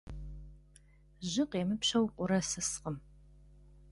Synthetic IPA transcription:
ʑɪqeːmɨpɕɐwqʷʼʊɾɐsɨsqəm

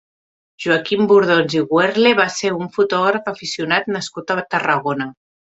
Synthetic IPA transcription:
ʒ̥uəkimbuɾð̞onziɣwɛɾleβaseuɱfut̪ɔɣɾəfəfisiunat̪nəskut̪ət̪ərəɣonə

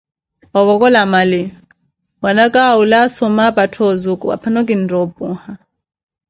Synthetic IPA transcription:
waβɔkʼɔlamali | wanakʼaulasɔmapatʰɔzukʼuwa̰pʰanɔkʼindɔbuha

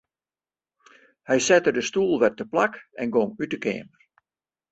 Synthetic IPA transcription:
hɛjsɛtədəstuːlˠʋɛtəplakɛnɡoŋytəkḛːmər

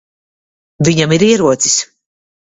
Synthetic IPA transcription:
viɲamiɾiɛɾuɔt̪sis

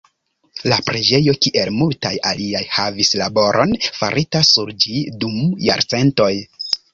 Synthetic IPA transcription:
lapɾed͡ʒe̞jo̞kiʔe̞lmulta̰ja̰liajhavislabo̞ɾʔo̞nfa̰ɾʔitasuɾd͡ʒidumja̰ɾt͡se̞nto̞j

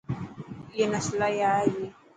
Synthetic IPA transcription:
ɛnaslajaji

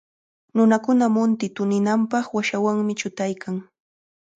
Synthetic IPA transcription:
nʊnakʊnamʊnt̪ɪt̪ʊnɪnampɑχwaʃawaŋmɪt͡ʃʊt̪ajkʰaŋ

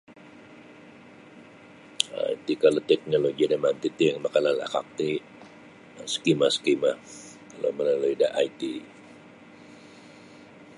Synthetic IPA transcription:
a̰it̪ikalot̪ɛk̚noloɡiadamant̪it̪ijaŋmakanlalaa̰ka̰k̚t̪i | sə̥kimasə̥kima | kalo̰məlaluidaʔait̪i

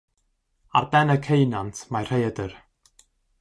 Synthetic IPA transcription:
a̰rbɛnəkʰejnantʰmajr̥ejədər

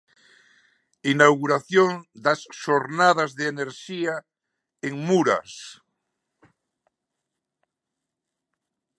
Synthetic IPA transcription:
inawɣuɾaθjoŋd̪asʃoɾnað̞azðeeneɾʃia | eŋmuɾa̰s

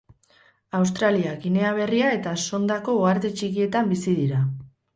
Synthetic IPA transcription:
aws̬t̪ɾaliakine̞aβ̞e̞riae̞t̪aso̞nd̪ako̞ːaɾt̪et͡ʃikie̞t̪ambisið̞iɾa

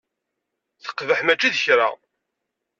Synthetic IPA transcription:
θə̥qːvəħmæt͡ʃːiðəçɾa̰

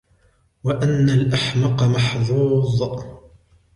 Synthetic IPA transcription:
waʔanːalʔaħmɑqɑmɑħðˤuːðˤ

